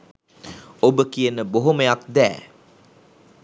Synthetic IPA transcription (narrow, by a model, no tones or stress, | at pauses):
obəkijənəboɦoməjak̚d̪æ̰ː